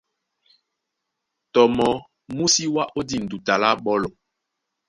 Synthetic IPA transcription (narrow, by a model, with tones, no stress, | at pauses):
tɔ˨mɔ˨ | mu˦si˦wa˦ʔo˦di˦˨n̩˨du˨ta˨la˦ɓɔ˦lɔ˨